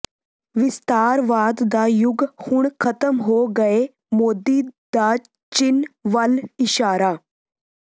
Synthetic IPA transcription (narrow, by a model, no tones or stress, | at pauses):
ʋɪst̪aːɾʋaːd̪ːajʊɡhʊɳ̃kʰɐt̪əmɦoːɡɐe | moːd̪id̪a | t͡ʃɪnʋɐlɪʃaːɾaː